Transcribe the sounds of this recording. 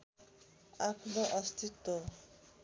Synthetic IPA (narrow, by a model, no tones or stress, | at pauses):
akʰnɔʔʌst̪it̪ːɔ